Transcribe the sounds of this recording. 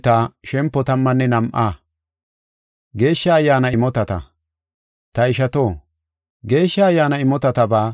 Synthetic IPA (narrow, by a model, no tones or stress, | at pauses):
t̪aːʃɛmpːɔt̪ɐmːɐnːɛnɐmʔaː | ɡe̞ːʃːɐːjːaːnɐɪmɔt̪ɐt̪ɐ̰ | t̪ɐɪʃɐt̪oː | ɡe̞ːʃːɐɐjːaːnɐɪmɔt̪ɐt̪ɐbaː